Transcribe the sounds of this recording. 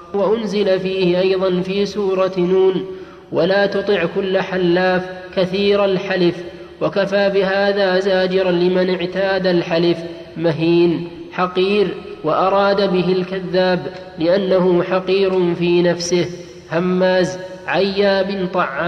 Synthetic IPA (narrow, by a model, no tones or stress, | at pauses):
waʔʊnzɪlafiːhɪʔɑjðˤɑnfiːsuːɾˤɑnuːn | walaːt̪ʊt̪ˤɨʕkʊlːaħalːaːfkaθiːɾalħalɪf | wakafaːbɪɦaːðaːzaːd͡ʒɪɾlɪmanɪʕt̪aːd̪alħalɪf | maɦiːn | ħɑqiːɾwaʔɑɾˤɑːd̪abɪɦɪlkaðːaːb | lɪʔanːahʊħɑqiːɾʊfiːnafsɪh | hamːaːz | ʕajːaːbɪnt̪ˤɑʕːaː